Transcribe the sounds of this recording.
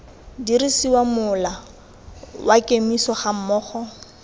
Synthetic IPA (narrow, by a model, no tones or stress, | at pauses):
diɾisiwamʊla | wakʼemisɔχam̩mɔːχɔ